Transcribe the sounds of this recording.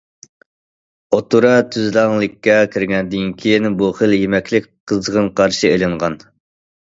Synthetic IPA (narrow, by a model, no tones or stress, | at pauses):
ot̪uɾɑt̪ʰyzlɑŋlˠɪkʲːɛkʲʰiɾɡʲɛnd̪ynkʲʰijnbuχəljemɛkʲʰlɪkʲqʰəzʁənqʰɑɾʃielɪɴʁɑn